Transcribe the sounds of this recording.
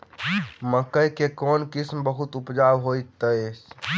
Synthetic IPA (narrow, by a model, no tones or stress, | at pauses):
məkəjkekɔnkismbəɦut̪upd͡ʒabɦojt̪ːəs